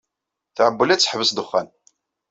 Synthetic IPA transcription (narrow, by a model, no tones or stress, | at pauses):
θʕəbːəlæt͡sːə̥ħvəsd̪əχːæn